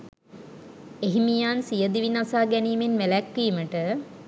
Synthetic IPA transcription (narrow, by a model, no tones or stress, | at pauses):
eɦimijaːnsijəd̪iʋinasaːɡɛniːmenmelækːiːməʈə